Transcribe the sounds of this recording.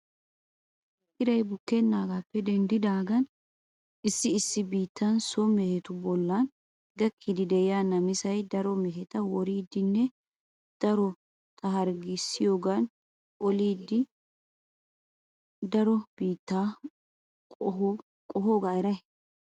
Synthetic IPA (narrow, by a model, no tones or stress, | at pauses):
ʔɪɾɐjbʊkːɛnːaːɡaːpːɛd̪ɛnd̪ɪd̪aːɡɐn | ʔɪsːɪɪsːɪbiːt̪ːɐnsɔmɛhɛt̪ʊbɔlːɐn | ɡɐkʰːid̪ɪd̪ɛɪjaːnɐmɪsɐjd̪ɐɾɔmɛɦɛt̪ɐwɔɾiːd̪ːɪnːɛ | d̪̥ɐɾɔ | t̪ʰɐɦɐɾɡɪsːɪjoːɡan | ʔɔliːd̪ːɪ | d̪ɐɾɔb̥iːt̪ːa | kʼɔɦoːɡaɪɾɐ